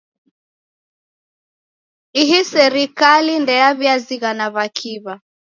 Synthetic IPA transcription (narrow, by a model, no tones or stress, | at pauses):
iɦisɛɾikalindɛaβjaziɣanaβakʰiβa